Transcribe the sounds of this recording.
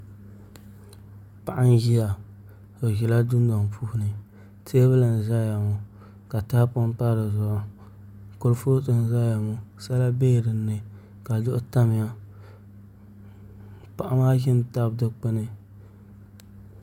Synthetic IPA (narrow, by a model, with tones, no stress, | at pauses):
pa˨ʔa˦n˦ji˦ja˨ | o˨ɣi˨la˦du˦n˦dɔ˨ŋ˨pʰuː˦hʊ˦nɨ˨ | teː˦bɨ˦la˨n˨za˦ja˨mʊ˨ | ka˨ta˦pʊ˦m˦ta˦ɾɨ˨zʊ˨ʔa˦ | ko˦lfo˦tɨ˨n˨za˦ja˨mʊ˦sa˦la˦beː˦˨ɾɨ˨nːɨ˨ | ka˨dʊ˦ʔʊ˦ta˦mɪ˨ja˦ | pa˨ʔa˦maː˦ʒɪ˦mta˦bdɨ˦k͡pɪ˦nɨ˦